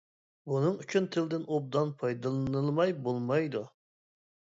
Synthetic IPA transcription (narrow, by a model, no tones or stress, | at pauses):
bunɨŋyt͡ʃʰynt̪ʰɪld̪ɪnʔob̚d̪ɑnpʰɑjd̪ɨlˠɨnɨlˠmɑjbolˠmɑjd̪u